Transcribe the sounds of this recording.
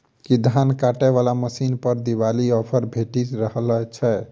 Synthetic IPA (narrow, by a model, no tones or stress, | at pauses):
kid̪ʱankaʈɛβalaməsinpəɾd̪iβaliɔpʰəɾbʱeʈit̪ɾəɦlt͡ʃʰɛ